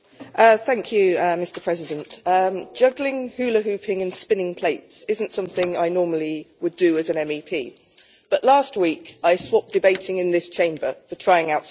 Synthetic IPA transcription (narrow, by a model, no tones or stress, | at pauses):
ʔʌθæ̃ŋkʰjʉʌmɪstəpʰɹ̥ɛzɪdə̃ntʌd̥ʒ̥ʌɡlɪ̃ŋhʉːləɦʉˑpʰɪ̃ŋə̃nspɪ̃nɪ̃ŋpʰl̥eɪtsɪzə̃ntsʌ̃mθɪ̃ŋa̰ɪnɔːməliwədəːzə̃nɛ̃mipʰḭː | b̥ʌʔlɑˑst̚wiˑkaɪswɒp̚d̥ɪbeɪtʰɪ̃ŋɪ̃nðɪst͡ʃʰẽɪ̃mbəfətʰɹ̥aɪɪ̃ŋaʊt